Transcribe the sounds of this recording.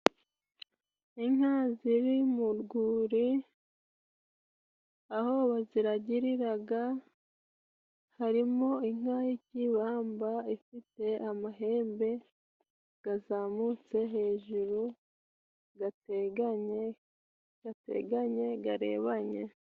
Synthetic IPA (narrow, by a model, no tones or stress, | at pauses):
iŋaːziɾimuɾɡuːɾi | aho̞βaziɾaɟiɾiɾaɡa | haɾimo̞iŋ̥hahiciβaːmbaifite̞amaɦe̞ːmbe̞ | ɡ̥azamut͡se̞ɦe̞ːʒuɾu | ɡa | ɡatḛɡaɲe̞ɡaɾe̞̰ːβaɲe̞̰